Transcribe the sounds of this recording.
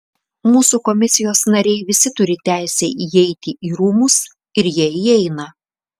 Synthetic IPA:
muːsuˑkɔmʲɪsʲɪjoːsnɐɾʲɛɪʋʲɪsʲɪt̪ʊɾʲɪt̪ʲæˑɪsʲɛʔiɛɪt̪ʲɪʔiːɾuːmʊs | ɪɾjiɛiɛɪnɐ

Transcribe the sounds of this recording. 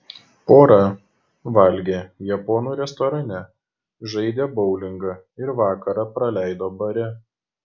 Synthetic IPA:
poːɾɐ | ʋɐlʲɡʲeːjɛpɔːnuːɾʲɛst̪ɔːɾɐnʲɛ | ʒɐɪd̪ʲeːbɔʊlʲɪŋɡɐ | ɪɾʋɑːkɐɾɑpɾɐlʲæˑɪd̪oːbɐɾʲɛ

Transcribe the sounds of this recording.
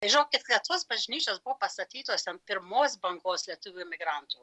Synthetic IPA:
ɐɪʒʲɪnoːk̚ʲkʲɪt̪lʲɛt̪oːsbɐʒʲnʲiːt͡ʃʲoːsbbʊʋoːpɐst̪ɐt̪ʲiːt̪oːst̪ʲɛnpʲɪɾmoːsbɐŋɡoːslʲiɛt̪ʊʋʲumʲɪɡɾɐnt̪uː

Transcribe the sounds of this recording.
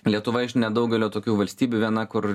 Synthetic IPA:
lʲiɛt̪ʊʋɐɪʃnʲɛd̪ɐʊɡʲɛlʲoːt̪oːkʲuːʋɐlʲsʲt̪ʲiːbʲuːʋʲiɛnɐkʊɾ

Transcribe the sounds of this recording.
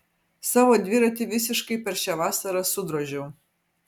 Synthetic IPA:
sɑːʋod̪ʲʋʲɪɾɐt̪ʲɪʋʲɪsʲɪʃkɐɪpʲɛɾʃʲɛʋɑːsɐɾɐsʊd̪ɾɔʒʲɛw

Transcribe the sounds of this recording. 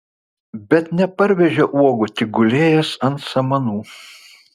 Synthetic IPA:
bʲɛt̪nʲɛpɐɾʲʋʲɛʒʲɛʔuɔɡʊt̪ʲɪɡʊlʲeːjɛsɐnt̪sɐmɐnuː

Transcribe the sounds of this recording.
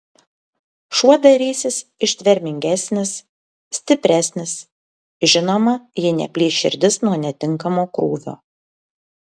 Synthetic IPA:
ʃuɔd̪ɐɾʲiːsʲɪsɪʃʲt̪ʲʋʲɛɾʲmʲɪŋʲɡʲæsʲnʲɪs | sʲt̪ʲɪpʲɾʲæsʲnʲɪs | ʒʲɪnoːmɐjɪnʲɛ̰pʲlʲiːʃʲɪ̰ɾʲd̪ʲɪsnuɔnʲɛt̪ʲɪŋkɐmoːkɾuːʋʲo̰ː

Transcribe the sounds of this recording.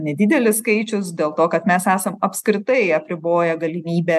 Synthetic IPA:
nʲɛd̪ʲɪd̪ʲɛlʲɪsskɐɪt͡ʃʲʊsd̪ʲeːlˠt̪oːkɐt̪mʲɛsæːsɐmɐpskɾʲɪt̪ɐɪɐpʲɾʲɪboːjɛɡɐlʲɪmʲiːbʲɛ

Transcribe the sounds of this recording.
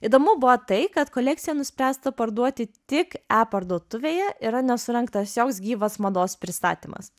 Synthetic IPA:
iːd̪oːmʊbʊʋɐt̪ɐɪkɐt̪koːlʲɛk̚t̪ʲɪjɛnʊsʲpʲɾʲæːst̪ɐpɐɾd̪uɔt̪ʲɪt̪ʲɪkæːpɐɾd̪uɔt̪ʊʋʲeːjɛʔɪɾɐnʲɛsʊɾʲɛŋkt̪ɐssʲjʲoːksɡʲiːʋɐsmɐd̪oːspʲɾʲɪst̪ɑ̰ːt̪ʲiːmɐ̰s

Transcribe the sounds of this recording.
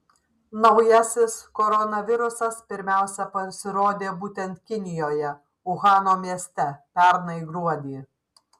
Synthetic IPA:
nɒʊjɛsʲɪskɔɾɔnɐʋʲɪɾʊsɐspʲɪɾʲmʲæˑʊsʲɛpɐsʲɪɾoːd̪ʲeːbuːt̪ʲɛnt̪̚kʲɪnʲɪjoːjɛ | ʊɣɑːnoːmʲiɛsʲt̪ʲɛpʲæɾnɐiɡɾuɔd̪ʲi

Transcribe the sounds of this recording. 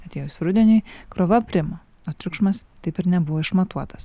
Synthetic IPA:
ɐt̪ʲeːjʊsɾʊd̪ʲenʲʊɪkɾoːʋɐpʲɾʲɪmɐ | oːt̪ʲɾʲʊkʃmɐst̪ɐɪpɪɾnʲɛbʊʋoːɪʃmɐt̪uɔt̪ɐ̥s

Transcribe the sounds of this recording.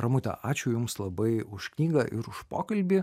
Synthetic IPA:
ɾɐmʊt̪ʲɛ̰ʔɑːt͡ʃʲʊjʊmslˠɐbɐɪʊʃknʲiːɡɐʔɪɾʊʃpo̰ːkɐlʲbʲɪ

